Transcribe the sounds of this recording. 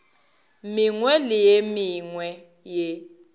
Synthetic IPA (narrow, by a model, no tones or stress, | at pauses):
miŋwɛlijemiŋwɛ | je